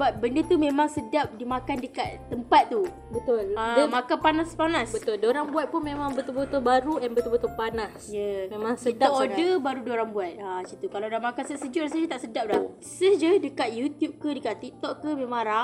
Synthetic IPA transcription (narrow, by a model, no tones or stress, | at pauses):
bat̪̚bəndət̪umẽmaŋsədap̚dimakandəkat̪̚t̪ːəmpat̪̚ːu | bət̪ʊlamakapanaspanasbət̪ʊldoɾaŋbuat̪̚pʊnmẽmaŋbət̪ulbət̪ʊbaɾuɛnbət̪ulbət̪ʊpanasjəmemãŋsəit̪aoddəbaɾudoɾaŋbuat̪̚at͡ʃit̪ukalawdahmakansəsəd͡ʒuʔdasəd͡ʒət̪aʔsədap̚da | səhd͡ʒədəkat̪̚jut̪jup̚kədəkat̪ːik̚t̪ɔkkəmemaŋɾa